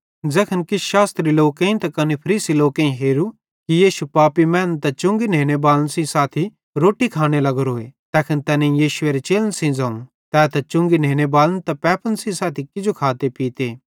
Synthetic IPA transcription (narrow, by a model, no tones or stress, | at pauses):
d͡zɐkʰənkɪʃaːst̪ɾiloːkẽĩt̪ɐkɐnepʰɐɾiːsiloːkẽĩɦeːɾu | kijiːʃupaːpimɛ̃ːnt̪ɐt͡ʃʊ̃ŋɡineːñebaːlənsĩsaːt̪ʰi | ɾoːʈikʰaːñelɐɡɾoːet̪ɛːkʰənt̪ɛːnẽĩjiːʃʊeːɾet͡ʃeːlənsĩd͡zɐːũ | t̪ɛːt̪ɐt͡ʃʊ̃ŋɡineːñebaːlənt̪ɐpɛːpʰənsĩsaːt̪ʰikɪd͡ʒokʰaːt̪epiːt̪eː